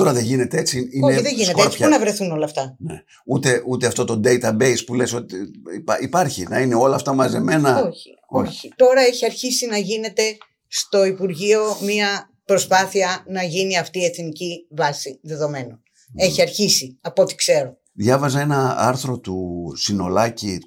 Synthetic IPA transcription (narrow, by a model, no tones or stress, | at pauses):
t̪o̞ɾɐðeʝine̞t̪eet͡siioeiðeʝinetk̪sçɐnɐvɾe̞θuno̞lɐft̪ɐnḛ | ut̪e̞ʔut̪eɐft̪o̞t̪o̞d̪e̞jt̪ɐbe̞jspule̞so̞t̪ipɐipɐɾçḭnɐ̰ineo̞lɐːft̪ɐmɐze̞me̞nɐoçi̥ | oçi̥t̪o̞ɾɐe̞çiɐɾçisinɐʝine̞t̪e̞ | st̪o̞ipuɾʝio̞miɐ | pɾo̞spɐθiɐnɐʝiniɐft̪ie̞θnicivɐsiðe̞ðo̞me̞no̞n | e̞çiɐɾçisiɐpo̞t̪i̥kse̞ɾo | ðʝɐvɐzɐe̞nɐɐ̰ɾθɾo̞t̪usino̞̰lɐci